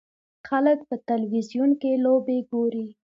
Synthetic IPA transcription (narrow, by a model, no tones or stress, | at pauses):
xalək̚pət̪alwizjunkelobeɡoɾi